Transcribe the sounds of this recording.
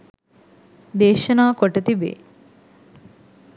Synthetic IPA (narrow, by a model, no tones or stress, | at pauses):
d̪eːʃɐnaːkoʈɐt̪ibḛː